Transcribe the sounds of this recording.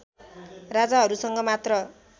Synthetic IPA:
rad͡zaɦʌɾusʌŋɡʌmat̪rʌ

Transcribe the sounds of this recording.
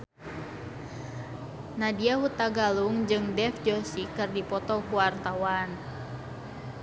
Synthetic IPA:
nadiaɦut̪aɡaluŋd͡ʒɨŋdɛfd͡ʒɔsikɨrdipɔt̪ɔkuwart̪awan

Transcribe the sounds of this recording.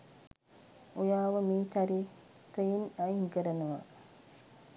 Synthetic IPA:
ojaːʋəmiːt͡ʃaɾiː | t̪əjinajiŋkəɾənəʋa̰

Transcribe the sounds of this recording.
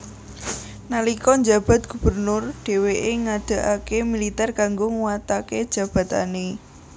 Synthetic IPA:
nalikɔɲd͡ʒa̤b̥a̤t̪̚ɡ̥ṳb̥ə̤rnʊrɖ̥e̤weʔeŋad̪̥a̤ʔakemilit̪ɛrkaŋɡoŋuwat̪aked̥ʒ̥ä̤b̥ä̤t̪a̰ne

